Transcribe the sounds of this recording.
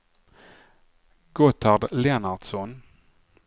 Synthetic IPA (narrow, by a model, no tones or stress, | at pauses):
ɡɔt̪ʰaɖlɛnad̪̥sɔn